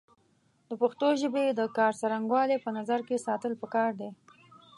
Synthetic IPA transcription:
d̪̥əpaxt̪oʒəbed̪əkɑɾsaɾaŋɡwɑlepənazaɾkesɑt̪əlpəkɑɾd̪e

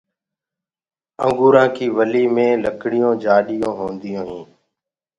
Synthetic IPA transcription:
ə̰̃ŋɡuːɾãːkʰiːʋəliːmẽːləkɽɪjõːd͡ʒaːɗɪjõːɦõːnd̪ɪjõːɦĩː

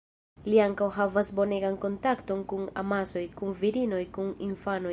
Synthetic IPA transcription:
liaŋkawɦavasbo̞neɡanko̞ntakto̞nkuna̰maso̞jkunviɾino̞jkunḭnfano

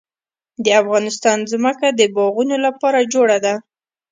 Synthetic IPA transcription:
d̪əafɣɑnɪst̪ɑnzməkad̪əbɑɣunolapɑɾad͡ʒoɽad̪a

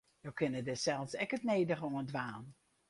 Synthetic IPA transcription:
jowkʰɪnədɪsɛlˠsɛkətneːdəχəoəndʋaːn

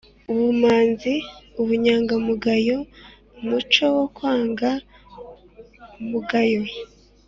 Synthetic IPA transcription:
uβumaːnziuβuɲaːŋɡamuɡajo̞ | mut͡ʃo̞wokwaːŋɡa | muɡajo

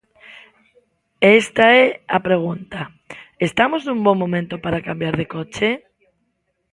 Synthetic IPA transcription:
est̪aɛapɾeɣ̞unt̪a | est̪amoznũŋboŋmːõmẽnt̪opaɾakambjaɾðekɔt͡ʃe

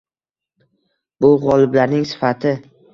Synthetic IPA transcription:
bʊʁɒlˠɪblaɾnɪŋsɪ̥fat̪ʰɪ

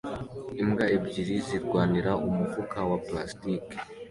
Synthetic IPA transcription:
imɡaebɟiɾiziɾɡwaːniɾaʔumuvukawaplastik

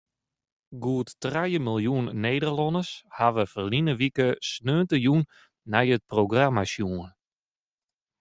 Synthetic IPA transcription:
ɡuətːrajəmilˠjunːeːdərlɔnəshaʋəfərlinəʋikəsnøːntəjunː | ɛjət̚proɡramasjuːn

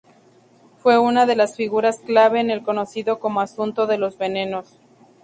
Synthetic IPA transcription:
fwe̞unaðe̞lasfiɣuɾasklaβe̞ːne̞lko̞no̞siðo̞ko̞mo̞asunt̪o̞ðe̞lo̞zβe̞ne̞no̞s

